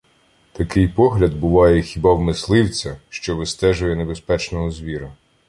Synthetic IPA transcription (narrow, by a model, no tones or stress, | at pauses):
t̪ɐkɪjpɔɦlʲɐd̪̚bʊʋɑjɛxʲibɑwmɪslˠɪwt͡sʲɐʃt͡ʃɔʋɪst̪ɛʒʊjɛnebespɛt͡ʃnɔɦɔzʋʲiɾɐ